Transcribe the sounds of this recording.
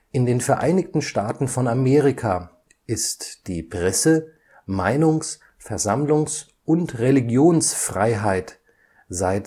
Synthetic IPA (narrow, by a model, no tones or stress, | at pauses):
ʔɪndeːnfɛɐʔa̰ɪnɪktn̩ʃtaːtn̩fɔnameːʁɪkʰa | ʔɪstd̥iːpʁ̥ɛsə | maɪnʊŋs | fɛɐzamlʊŋs | ʔʊntʁeliɡjoːnsfʁ̥aɪɦaɪt | zaɪt